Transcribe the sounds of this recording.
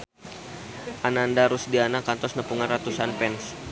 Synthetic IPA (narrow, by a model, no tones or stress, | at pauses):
ʔanandaɾusdianakant̪ɔsnəpuŋanrat̪usanpɛns